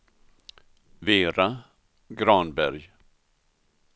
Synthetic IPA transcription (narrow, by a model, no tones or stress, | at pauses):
veːɾa | ɡɾɑːnbæɾj